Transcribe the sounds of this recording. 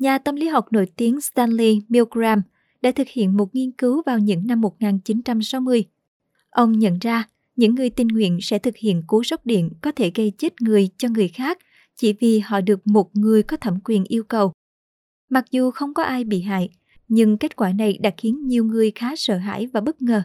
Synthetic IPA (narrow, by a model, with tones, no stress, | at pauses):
ɲaː˨˩t̪ə˧mli˨˦ɦa˨˩wk͡p̚no̰˧˥jt̪i˨˦əŋst̪a˧nli˧mi˧wɡɹaː˧m | ɗa̰ː˧˥t̪ʰɨ˨˩k̚hḭ˧˨ənmo˨˩t̚ŋi˧ənkɨ˨˦wvaː˨˩wɲɨ̰˧˥ŋna˧mːo˨˩t̚ŋaː˨˩nt͡ɕi˨˦nt͡ɕa˧msa˨˦wmɨ˧əj | ʔə˧wŋ͡mɲə̰˧˨nzaː˧ | ɲɨ̰˧˥ŋːɨ˨˩əjt̪ï˨˩nŋwḭ˧˨ənsɛ̰˧˥t̪ʰɨ˨˩k̚hḭ˧˨ənku˨˦sə˦˥wk͡p̚ɗḭ˧˨ənkɔ˨˦t̪ʰe˧˩ɣə˧jt͡ɕe˦˥t̚ŋɨ˨˩əjt͡ɕɔ˧ŋɨ˨˩əjxaː˦˥k̚ | t͡ɕḭ˧˩vi˨˩hɔ̰˧˨ɗɨ˨˩ək̚mo˨˩t̚ŋɨ˨˩əjkɔ˨˦t̪ʰə˧˩mkwi˨˩ənʔi˧əwkə˨˩w | ma˨˩k̚zu˨˩xə˧wŋ͡mkɔ˨˦ʔaː˧jɓḭ˧˨ɦa̰ː˧˨j | ɲɨ˧ŋke˦˥t̚kwaː˧˩na˨˩jɗa̰ː˧˥k̚xi˨˦ənɲi˨˩əwŋɨ˨˩əjxaː˨˦sə̰ː˧˨ɦa̰ː˧˥˨jvaː˨˩ɓə˦˥t̚ŋəː˨˩